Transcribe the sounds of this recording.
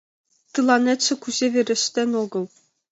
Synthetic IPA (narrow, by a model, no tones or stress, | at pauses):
t̪ɯlˠɑnʲetʲt͡ɕɘ̆kuʑʲeʋʲĕɾʲɘ̆ɕt̪ʲenʲoɡɤ̆lˠ